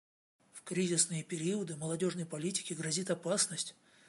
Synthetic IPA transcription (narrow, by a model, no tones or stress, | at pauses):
fkɾʲizʲɪsnɨjəpʲɪɾʲiəd̪ɨməlˠɐdʲo̞ʐnəjpɐlʲitʲɪ̥kʲɪɡɾɐzʲit̪ɐpasnəsʲtʲ